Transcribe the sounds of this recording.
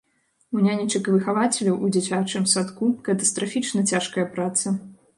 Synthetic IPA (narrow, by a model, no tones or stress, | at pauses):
unʲanʲit͡ʂɨkvɨxavat͡sʲɛlʲɐwʔud͡zʲat͡sʲat͡ʂɨmsat̪kukɐt̪ɐst̪ɾafʲit͡ʂnɐt͡sʲaʂkɐjɐpɾat̪sɐ